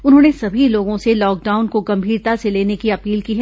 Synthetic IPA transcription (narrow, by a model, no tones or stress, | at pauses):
ʊnɦõːnesɐbʱiloːɡõselɔːk̚ɖaːʊnkoɡɐ̃mbʱiːɾt̪aseleːnekiɐpiːlkiɦɛ